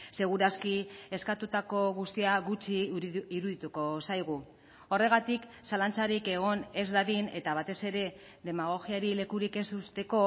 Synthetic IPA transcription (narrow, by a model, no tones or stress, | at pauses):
se̞ɣ̞uɾaskie̞skat̪ut̪ako̞ɣust̪iaɣut͡ʃiːɾuðit̪uko̞sajɣ̞u | o̞re̞ɣ̞at̪iksalant͡saɾike̞ɣ̞o̞ne̞zd̪aðine̞t̪aβ̞at̪e̞se̞ɾe̞ | ðe̞maɣ̞o̞ɣiaɾile̞kuɾike̞sust̪e̞ko̞